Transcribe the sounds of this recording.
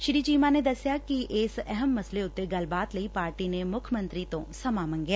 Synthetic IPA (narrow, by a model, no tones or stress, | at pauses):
ʃɾiːd͡ʒiːmaned̪ɐsjakiʔeːsɛɦəmːɐsleʊt̪ːeɡɐlbaːt̪lɐipaːɾʈinemʊkʰəmə̃nt̪ɾit̪õsɐmaːmɐ̃ŋɡja